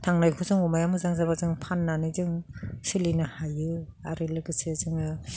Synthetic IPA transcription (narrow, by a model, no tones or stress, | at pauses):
tʰaŋnajkʰuzɯŋumajamɯzaŋzabazɯŋpʰanːanɯzɯŋsɯlinɯhajɯaɾɯlɯɡɯsezɯŋɯ